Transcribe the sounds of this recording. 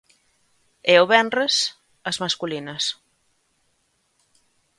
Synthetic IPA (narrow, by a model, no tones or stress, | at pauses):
eʊβɛnres | ɐzmaskulinɐs